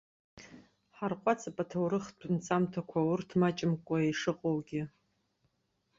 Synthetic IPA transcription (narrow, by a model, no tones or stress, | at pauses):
ħarqʷʼat͡sʰapʼatʰowɾɨχdʰnt͡sʼamtʰakʷʰawʊrtʰmat͡ʃʼɪmkʷʼaejʂɨqʼowɡʲɪ